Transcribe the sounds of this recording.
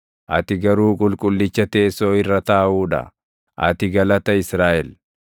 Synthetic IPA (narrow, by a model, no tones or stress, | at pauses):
ʔɐ̰t̪ɪɡɐɾuːkʼʊlkʼʊlːɪt͡ʃːɐt̪e̞ːsoːɪrːɐt̪aːʔuːᶑɐ̰ | ʔɐ̰t̪ɪɡɐlɐt̪ɐɪsɾaːʔɛl